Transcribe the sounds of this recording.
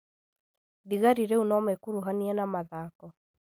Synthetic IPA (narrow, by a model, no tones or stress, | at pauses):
diɣaɾiɾeunɔmɛkuɾuɦaniɛnamaðaːkɔ